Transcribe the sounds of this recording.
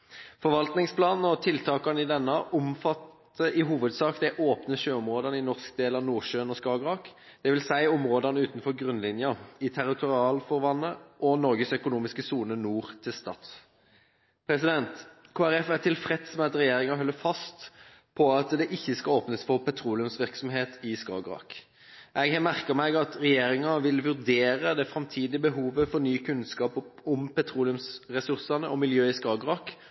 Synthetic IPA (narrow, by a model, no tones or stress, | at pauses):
fɔɾʋɑlt̪nɪŋspʰlɑːnn̩ɔt̪ʰɪlt̪ʰɑːkɑnəɪd̪ɛnːəʔʊmfɑt̪ː | əɪɦuːʋəd̪sɑːkd̪æʔoːpnəʃøːɔmʁoːd̪ɑnəɪnɔʁskd̪eːlɑʋnuːʃøːnɔskɑːɡʁɑːk | d̪̥ɛʋɪlsæɪʊmʁoːd̪ɑnəʉːt̪n̩fɔɾɡʁʉnlɪnjɑɪt̪ʰæɾɪt̪ʰʊʁɪɑːlfɔʁʋɑnːəʔɔnɔɾʁɡəsœkʊnuːmɪskəsuːnənuːʁt̪ʰɪlst̪ɑ̰ːt̪ | pʰʁɛsɪd̪ɛnt̪kʰoːæɾɛfæʁt̪ʰɪlfɾɛt̪smɛɑt̪ɾɛjeːɾɪŋɑɦœlːəfɑst̪ | pʰɔɑt̪d̪ɛʔɪçːəskɑoːpnəsfɔʁpɛt̪ʰʁuːlɪʉmsʋɪʁksɔmɦeːt̪ɪskɑ̰ːɡʁɑ̰k | ʔɛɡɛmæʁkəʁmæɪɡɑt̪ɾɛjeːʁɪŋɑʋɪlʋʉʁd̪eːɾəd̪ɛfɾɑmt̪ʰiːd̪ɪəbəɦuːʋəfɔʁnyːkʉnskɑːpʊmpɛt̪ʰʁuːlɪʉmsʁɛsʉʁsɑnəʔɔmɪljøːɪskɑːɡʁɑk